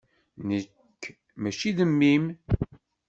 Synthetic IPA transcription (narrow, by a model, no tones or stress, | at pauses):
nəkː | mæt͡ʃːiðəmːim